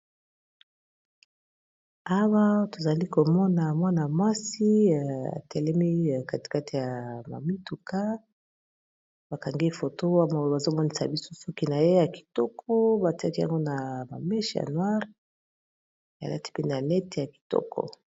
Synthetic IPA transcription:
a˦wa˦to˨za˨li˦ko˨mɔ˦na˨mwa˦na˨mwa˦si˦a̰˨tɛ˨lɛ˦mi˦˨ka˦ti̥˨ka˦ti˨ja˨ma̰˨mi˦tu˨ka˦ | b̥a˨ka˨ŋɡi˦fo˨to˦a˦ma˨˦ba˨zo˦mɔ˦ni˦sa̰˨bi˦so˦sɔ˦ki˦na˨je˦ja˨ki̥˨tɔ˦kʰɔ˦ba˨ti˦a˦ki˦ja̰˨ŋɡo˦na˨ma̰˨mɛ˦ʃi˦˨ja̰˨nwa˦ʁ | a̰˨la̰˦ti̥˦pe˦n˨a˨nɛ˦te˨ja˨ki̥˨tɔ̰˦kɔ̰˨

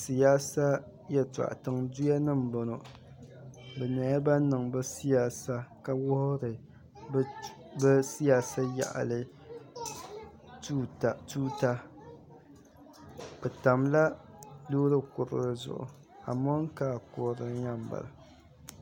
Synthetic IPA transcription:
si˨jaː˦sa˦ | jɛ˦˨ta̰˨ʔa̰˨tɨ˨ŋdu˦ja˦nɨ˦m˨bo˨no˨ | bɛ˨na˨˦a˦ba˦nɨ˨ŋbɨ˦si˦jaː˦sa˦ka˦wʊ˦hʊ˦ɾɨ˨˦ | bɛ˦si˦jaː˦sa˦ja̰˨ʔa̰˨lɨ˨ | u˦ta˨tuː˦ta˦ | bɛ˨ta˨mla˦ | lu˦ɾɨ˦kʊ˨ɾɨ̰˨ɾɨ˨zʊ̰˨ʔʊ̰˨ | a˨mo˦ŋ˦kaː˦˨kʊ˨ɾɨ˨n˦ja˦m˨ba̰˨la˨

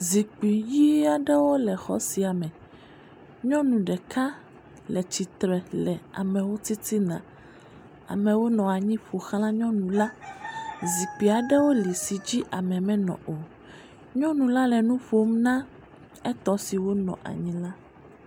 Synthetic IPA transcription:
zi˨k͡pi˨ji˦a˨ɖɛ˦wo˦lɛ˨xɔ̰˦si˨a˨mɛ̃˨ | ɲɔ̃˦nũ˨ɖɛ˨ka˦ | lɛ˨t͡ɕi˨t̪ɾɛ˨lɛ˨a̰˨mɛ̃˨wo˦t̪i˦t̪i˦nã̰˨ | a̰˨mɛ̃˨wo˦nɔ̃˨a˨ɲĩ˦ɸo˨xl̃ã˦ɲɔ̃˦nũ˨la˦ | zi˨k͡pi˨a˨ɖɛ˦wo˦li˨si˨d͡ʑi˦ʔa˨mɛ̃˨mɛ̃˦nɔ̰̃˨ʔo˨ | ɲɔ̃˦nũ˨la˦lɛ˨nũ˦ɸo˦mnã˦ | ɛ˦t̪ɔ˦si˨wo˦nɔ̰̃˨ʔa̰˨ɲĩ˦la˦

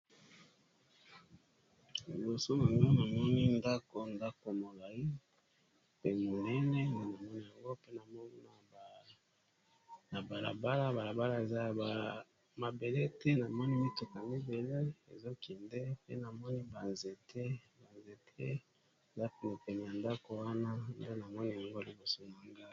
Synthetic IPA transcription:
i˨bo˨so˦m˨ɡo˦na˨mɔ˦ni˦nda˦ko˨nda˦ko˨mo˨la˨i˦ | pe˦mo˨nɛ˦nɛ˦ne˦na˨mɔ˦ni˦ja˨ŋɡo˦pe˦na˨mɔ˦˨ | na˨ba˨la̰˨ba˦la˦ba˨la˨ba˦la˦e˨za˦j | ma˨be˨le˦tɛ˦na˨mɔ˦ni˦mi˦to˨ka˨mi˦be˨le˦ḛ˨zo˦kʰɛ˨nde˦pḛ˦na˨mɔ˦ni˦ba˨nze˨tʰe˦ba˨nze˨tʰe˦ | e˨za˦pe˨ne˨pɛ˨ni˨ja˨nda˦ko˨wa˦na˦nde˦na˨mɔ˦ni˦ja˨ŋɡo˦li˨bo˨so˦na˨ŋɡa˦

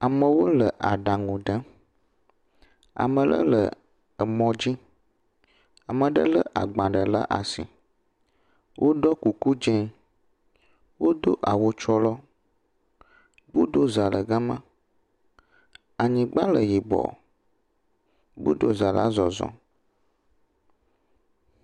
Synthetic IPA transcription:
a˨mə̃˨wo˦lə˨ʔa˨ɖa˨ŋũ˨ɖə˦ | a̰˨mə̃˨lə̰˦lə̰˨ | ə˨mɔ̃˨d͡ʑi˦ | a˨mə̃˨ɖə̰˦lə˦ʔa̰˨ɡ͡bã˨ɖə˨la̰˦ʔa̰˨sḭ˨ | wʔo˦ɖɔ˦ku˨ku˦d͡ʒɛ̃˦ | wo˦d̪o˦ʔa˨wo˦t͡ʃɔ˦lɔ˦ | bu˦d̪o˦za˨lə˨ɡa˦mã˦ | a˨ɲĩ˨ɡ͡ba˦lə˨ji˨bɔ̰˨ | bṵ˦d̪o˦za˨la̰˦zɔ˨zɔ̰̃˨

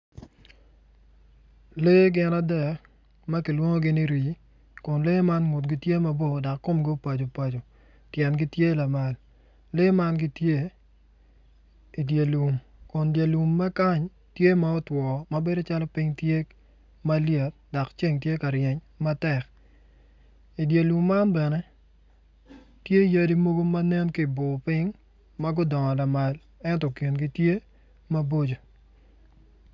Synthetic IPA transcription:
le˦ɡɪ˦na˦dɛ˨k | mɐ˦ki˨lwo˦ŋo˦ɡɪ˦ni˦ɾi˨ | kʊ˨nle˦ma˦nŋu˨tɡi˦tje˦ma˦bo˦˨da˨kːo˦mɡo˦pa˨d͡ʒo˨pa˨d͡ʒo˨ | tjɛ˨nɡɪ˦tje˦la˨ma˨l | le˦ma˦nɡɪ˦tje˦ | i˨dje˨lu˨m | kʊ˨ndje˨lu˨mːa˦ka˦ɲ | tje˦ma˦ɔ˦twɔ˨mɐ˦be˦do˦t͡ʃa˦lɔ˦pi˦ŋtje˦ | ma˦lje˨t̚dɔ˨kt͡ʃe˦ŋt̬je˦ka˨ɾjɛ˨ɲ | ma˦tɛ˨k | i˨dja˨lu˨mːa˦nbɛ˨nɛ˦ | tje˦ja˦di˦mo˦ɡo˦ma˦nɛ˦nki˦bʊ˨pɪ˦ŋ | mɐ˦ɡʊ˦dɔ˨ŋɔ˨la˨ma˨l | ɛ˦ntɔ˨ki˨nɡi˦tje˦ | mɐ˦bo˦d͡ʒo˨

